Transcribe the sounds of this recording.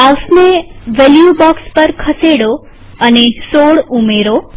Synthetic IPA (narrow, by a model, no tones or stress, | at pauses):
awsneʋeljubɔkspəɾkʰəseɽo | ənesoɭumeɾo